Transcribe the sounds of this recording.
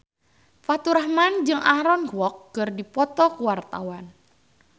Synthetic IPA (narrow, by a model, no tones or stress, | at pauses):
fat̪uɾahmand͡ʒɨŋʔaɾɔnkwɔk̚ɡərdipɔt̪ɔkuwart̪a̰wan